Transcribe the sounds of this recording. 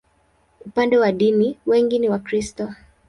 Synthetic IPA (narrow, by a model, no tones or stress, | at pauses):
upandɛwaɗiniwɛŋɡiniwakɾistɔ